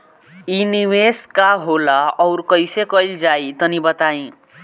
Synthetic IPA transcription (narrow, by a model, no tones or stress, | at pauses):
iniweskaɦolaʌwɾkʌjsekʌjld͡ʒajt̪ʌnibʌt̪aĩ